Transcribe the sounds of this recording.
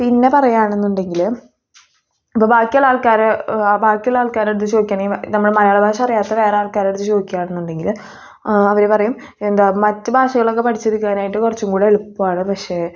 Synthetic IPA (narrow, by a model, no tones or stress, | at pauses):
pinːe̞pɐrɐjaːɳe̞nːuɳɖe̞ŋɡil | ipːoːbʱaːkːijɐlaːɭkaːɾbʱaːkːjɐlaːɭkaːɾeɽut̪̬ːɨt͡ɕo̞ːikʲːaːɳinɐmːuɽemɐlɐjaːɭɐbʱaːʂɐɐrijaːt̪ːɐʋe̞ːreaːɭkaːɾeɽut̪ːɨt͡ɕo̞ːikʲːijaːɳenːuɳɖe̞ŋɡil | ɐʋɐɾepɐrɐjum | end̪aːmɐtːɨbʱaːʂɐɣɐɭokːe̞pɐʈʰit͡ɕːeɾikːaːnaːjiʈːɨkurɐt͡ɕːuŋɡuːɽeeɭupːuaːɳɨpɐkʂe̞